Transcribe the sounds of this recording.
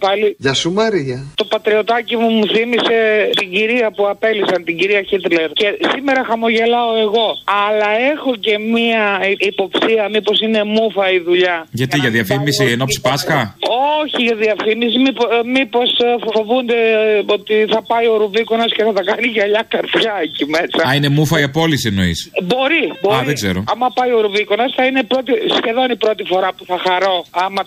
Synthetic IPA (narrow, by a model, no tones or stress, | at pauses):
pɐliʝɐsumɐɾiɐt̪o̞pɐt̪ɾeo̞t̪ɐcimumuθimise̞t̪iɲɟiɾiɐpuɐpe̞lisɐnt̪iɲɟiɾiɐçit̪le̞ɾce̞sime̞ɾɐxɐmo̞ʝe̞lɐo̞e̞ɣo̞ɐlɐe̞xo̞ce̞miɐipo̞psiɐmipo̞sine̞mufɐiðuʎɐʝɐt̪iʝɐðiɐfimisienosi̥pɐsxɐo̞çiʝɐðiɐfimis̬imipomipo̞sfo̞vund̪eo̞t̪iθɐpɐioɾuviko̞nɐsceθɐθɐkɐniʝɐʎɐkɐɾðʝɐecime̞sɐɐine̞mufɐiɐpo̞lisieno̞ḭsbo̞ɾiboɐðeɡzeɾoɐmɐpɐioɾuvikonɐsθɐine̞pɾo̞t̪isçe̞ðo̞nipɾo̞t̪ifo̞ɾɐpuθɐxɐɾo̞ɐmɐ